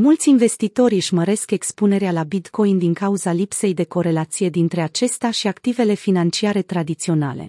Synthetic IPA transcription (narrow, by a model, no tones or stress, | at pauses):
mult̪sʲinve̞st̪it̪o̞ɾʒməɾe̞ske̞kspune̞ɾealabit̪ko̞jnd̪iŋkauzalipse̞jd̪e̞ko̞ɾe̞lat̪sije̞d̪int̪ɾe̞at͡ʃe̞st̪eaʃiakt̪ive̞le̞finant͡ʃiaɾe̞t̪ɾad̪it̪sio̞na̰le̞̰